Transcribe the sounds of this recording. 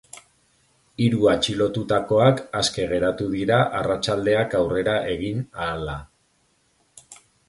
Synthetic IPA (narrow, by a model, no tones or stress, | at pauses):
iɾuat͡ʃilo̞t̪ut̪ako̞akaske̞ɣ̞e̞ɾat̪uðiɾaʔarat͡ʃald̪e̞akawre̞ɾaʔe̞ɣ̞inaːla